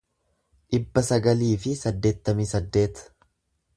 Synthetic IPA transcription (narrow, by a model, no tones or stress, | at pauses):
ʔɪbːɐsɐɡɐliːfɪsɐd̪ːe̞ːt̪ːɐmiːsɐd̪ːe̞ːt̪ɐ̥